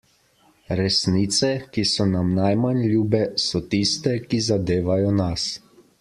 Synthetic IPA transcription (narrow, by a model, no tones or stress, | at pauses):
ɾɛsniːt̪sɛkisɔnamnajmanlʲuːbɛsɔt̪ist̪ɛkizad̪eːʋajɔnas